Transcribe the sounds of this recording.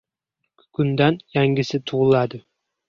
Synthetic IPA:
kʰʊnd̪anjaŋɡʲɪsɪt̪ʰuʁʊlˠad̪ɪ

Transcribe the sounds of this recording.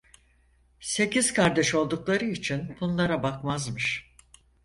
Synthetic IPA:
se̞ciz̥kʰaɾd̪ɛʃo̞lˠd̪uklˠaɾɯit͡ʃʰinb̥unlˠaɾabakmazmɯʃ

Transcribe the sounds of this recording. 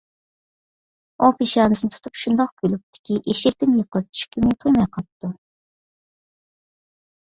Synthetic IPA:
opʰiʃɑːnɨsɨnt̪ʰu̥t̪ʰupʃund̪ɑq̚kʲølyp̚t̪ʰɪ̥kʲiʔeʃɛt̪ɪmjəqʰəlˠɨp̚t͡ʃʰy̥ʃkʲimɪt̪ʰojmɑjqʰɑd̪u

